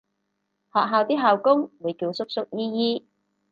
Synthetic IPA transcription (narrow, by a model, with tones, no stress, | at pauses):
hɔː˨k̚ɦaː˨wt̪iː˥ɦaː˨˧wkʊ˥ŋwuː˨˧jkiː˧wsʊ˥k̚sʊ˥k̚jiː˥jiː˥